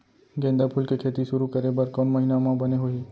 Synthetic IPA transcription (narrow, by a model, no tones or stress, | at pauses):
ɡɛ̃ːnd̪apʰulkekʰeːt̪iʃʊɾukəɾebəɾkɔmːɐɦinamãbɐneɦoiː